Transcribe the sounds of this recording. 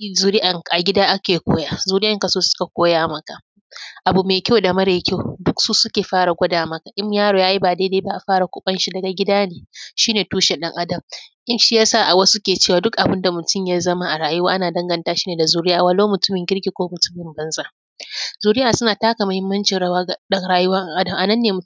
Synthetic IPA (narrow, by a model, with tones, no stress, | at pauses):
zuː˨ɾɪ˦ʔa˨ŋʔa˨ɡʲɪ˦daː˦ʔa˦kʲeː˨kʷoː˦jaː˦zuː˨ɾɪ˦ʔa˨ŋkɐ˨soː˦sʊ̥˦ka˨kʷoː˦jaː˦mɐ˦ka˨ | ʔa˨bu˨meː˨kʲa˦wda˨mɐ˦ɾe˨˦kʲa˦˨dʊ˦ksuː˦sʊ˦kʲeː˨ɸaː˦ɽa˨ɡʷɐ˦daː˨mɐ˦ka˨ʔɪ˦m˦jaː˦ɽoː˨jaː˦ji˦baː˨deː˦deː˦ba˦ʔa˨ɸaː˦ɽa˨kʷʊ˦ɓɐ˦nʃi˦dɐ˨ɡa˨ɡʲɪ˦daː˦neː˨ʃiː˦neː˨tuː˦ʃe˨ɗɐ˦ŋʔa˦dɐ˨mʔɪ˦mʃi˦ja˦saː˦˨ʔa˨wɐ˦su˦kʲeː˨t͡ʃeː˦waː˨dʊ˦kʔa˨bɪ˦nda˨mʊ˨tʊ˦mjaː˦zɐ˦ma˦ʔa˨ɽaː˨jʊ˦waː˦ʔa˦naː˨dɐ˦ŋɡɐ˦˨ntaː˦ʃi̥ː˦neː˨da˨zuː˦ɾɪ˦jaː˨wɐ˨loː˦mʊ˨tʊ˦mɪ˨ŋɡʲɪ˦ɽɡʲi˨kʷoː˦mʊ˨tʊ̥˦mɪ˨mbɐ˦nzaː˦ | zuː˨ɾɪ˦jaː˨sʊ˦naː˨taː˦ka˨mɐ˨hɪ˦mːɐ˦nt͡ʃɪ˨n˦waː˦˨ɗɐ˦ŋɽaː˦jʊ˦wɐ˦ɐ˦ŋʔa˦dɐ˨mʔa˨nɐ˦nːeː˨mʊ˨